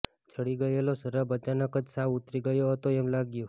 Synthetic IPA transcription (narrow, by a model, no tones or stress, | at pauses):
d͡ʒʰʱəɽiɡəjelosəɾəbət͡ʃanəkəd͡ʒsaʋut̪ɾiɡəjoɦət̪oɛmlaɡjo